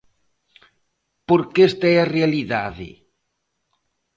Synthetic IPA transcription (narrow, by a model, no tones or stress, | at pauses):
poɾkest̪aɛarealiða̰ðɪ̰